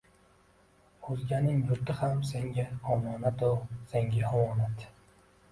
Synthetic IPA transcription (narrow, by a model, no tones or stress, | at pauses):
ozɡʲanɪŋjʊɾt̪ɪhamseŋɡʲaɒmɒːnat̪oseŋɡʲaɒmɒːnat̪